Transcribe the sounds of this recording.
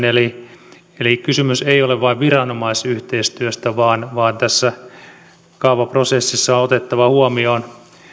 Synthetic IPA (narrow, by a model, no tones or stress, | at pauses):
neli | elikysymyseioleʋʋɑiʋʋirɑnomɑisyht̪eist̪yøst̪æʋɑːnʋɑːnt̪æsːæ | kɑupɑprosesːisːɑoot̪et̪ːɑʋɑhuomioːn